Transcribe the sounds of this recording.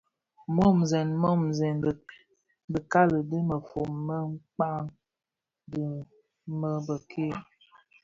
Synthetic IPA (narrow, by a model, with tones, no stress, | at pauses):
mɔ˦˨mzɛ˨nmɔ˦mzɛ˨n˨ | bə˨ka˦lə˨də˦mə˨fo˨mːə˦ŋ͡mk͡pa˦ŋ | də˦ | mə˦bə˨kʰe˦˨